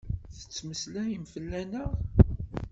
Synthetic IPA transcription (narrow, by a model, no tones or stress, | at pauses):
θə̥t͡sːməslæjəmfəlːænəʁ